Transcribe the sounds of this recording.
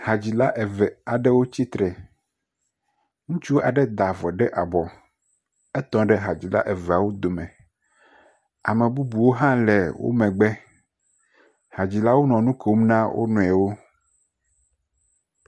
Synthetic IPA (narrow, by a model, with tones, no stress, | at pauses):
ha˨d͡ʑi˨la˦ʔɛ˨vɛ˨a˨ɖe˦wo˦t͡ɕi˦t̪ɾɛ˨ | ŋũ˦t͡ʃu˦wo˦ʔa˨ɖɛ˦d̪a˨vɔ˨ɖɛ˦ʔa˨bɔ˨ | ɛ˦t̪ɔ̃˨ɖe˦ɦa˨d͡ʑi˨la̰˦ʔe˨ve˨a˨wo˦d̪o˨mẽ˨ | a˨mẽ˨bu˦bu˨wo˦ɦã˦lɛ˨wo̰˦mɛ̃˨ɡ͡bɛ˦ | ha˨d͡ʑi˨la˦wo˦nɔ̃˨nũ˦ke˨wo˦m˦nã˦wʔo̰˦nũ˨ɛ˨wo˦